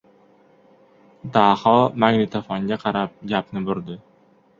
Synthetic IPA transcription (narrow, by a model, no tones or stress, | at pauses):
d̪aːhɒmaŋnɪt̪ʰafɒŋɡʲaqʰɑɾap̚ɡʲapnɪbʊɾd̪ɪ